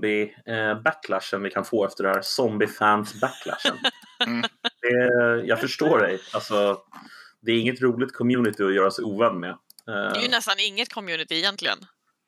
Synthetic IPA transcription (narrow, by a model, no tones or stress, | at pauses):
bɪbækʰlæʂənvɪkʰanfoːɛft̪əɖɛnhæːɾsɔmbɪfænsbækʰlæ̰ʂə̰n | d̪̥ɛjɑɡfœʂʈoːɖɛjalsɔ | d̪ɛːɾɪŋːət̪ɾuːlɪt̪kʰɔmjʉ̟ːnɪt̪ɪɔjœːɾasɛuːvæd̪mɛ | ɛjənɛst̪anɪŋːət̪̚kʰɔmjʉnɪt̪ɪːjɛnt̪lɪɡə̰n